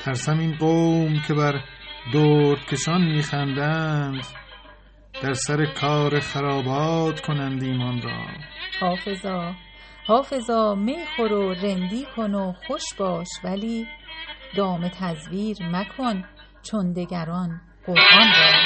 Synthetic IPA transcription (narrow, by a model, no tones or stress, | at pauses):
t̪ʰæɾsæminɢomcʰe̞bæɾd̪oːɾt̪kʲʰeʃɒnmiːxænd̪ænd̪ | d̪̥æɾsæɾekʰɒːɾeχæɾɒːbɒːd̪̥kʰonænd̪iːmɒnrɒ̰ːhɒːfe̞zɒː | hɒːfe̞zɒːmejxoɾoɾend̪iːkʰo̞noxoʃb̥ɒːʃvæliː | d̪̥ɒːme̞t̪ʰæzviːɾnækʰon | t͡ʃʰond̪e̞ɡæɾɒːn | ɢoɾʔɒnɾæː